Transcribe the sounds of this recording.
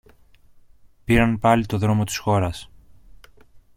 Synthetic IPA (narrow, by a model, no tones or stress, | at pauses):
piɾɐnpɐlit̪o̞ðɾo̞mo̞t̪i̥sxo̞ɾɐs